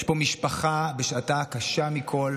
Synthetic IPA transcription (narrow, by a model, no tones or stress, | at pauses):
ʃbo̞miʃpaχabeʃatakaʃamikʰo̞l